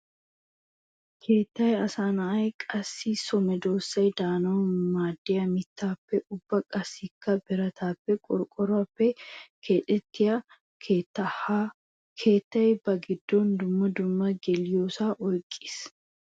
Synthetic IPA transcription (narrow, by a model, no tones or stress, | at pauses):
kʰeːt̪ːɐjɐsaːnɐɐjkʼɐsːiːsɔmɛd̪oːsɐjd̪aːnoːmaːd̪ːɪjɐmɪt̪ːaːpːɛʔʊbːɐkʼɐsːikːɐbɪɾɐt̪ʰaːpːɛkʼɔɾkʼɔɾɔɐpːɛkʰeːᶑɛt̪ːɪjɐ | et̪ːɐ | kʰeːt̪ːɐjɛbɐɡɪd̪ːoːnd̪ʊmːɐd̪ʊmːɐɡɛljoːsaːʔɔjkʼːɪ̥s